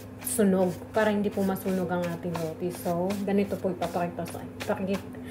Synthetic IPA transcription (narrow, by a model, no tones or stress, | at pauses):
sʊnoɡ̚paːɾɐhɪnd̪iːpomɐsuːnoɡɐŋʔaːt̪ɪŋloːt̪isoɡɐnɪt̪opoɡ̚pɐpɐkɛt̪ɐsɐ̰pɐkkɪ